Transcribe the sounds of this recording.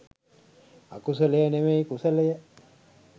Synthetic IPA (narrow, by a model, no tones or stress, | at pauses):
akusəlejənemejkusəlejə